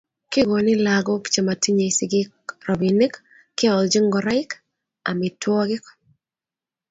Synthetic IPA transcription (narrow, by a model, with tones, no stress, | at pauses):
kɪ˦ɡo˨nɪ˦laɡɔ˦kt͡ʃe˨ma˨ti˦ɲe˨sɪɡɪ˦kɾɔ˨bi˨nɪ˦kː | ɪ˦ɔ˨ld͡ʒi˦ŋɡɔ˨ɾa˦ɪk | a̰˨mɪ˨twɔ˦ɡɪ˦k